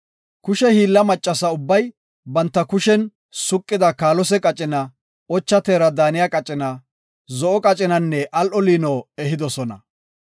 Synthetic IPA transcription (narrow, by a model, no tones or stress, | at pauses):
kʊʃɛhiːlːɐmɐt͡ʃʼːɐsɐʊbːɐj | bɐnt̪ːɐkʊʃɛn | sʊkʼːɪd̪ɐkaːlɔsɛkʼɐt͡ʃʼɪnɐ | ɔt͡ʃːɐt̪eːɾɐd̪aːnɪjakʼɐt͡ʃʼɪnɐ | zɔʔɔkʼɐt͡ʃʼɪnɐnːɛʔɐlʔɔliːnɔːɛɦɪd̪ɔsɔnɐ̰